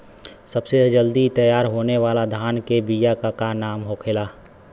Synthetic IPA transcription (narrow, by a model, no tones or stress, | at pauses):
səbsed͡ʒəld̪it̪əjaːɾɦoːneʋaːlad̪ʱaːnkebijakakanaːmɦoːkʰelaː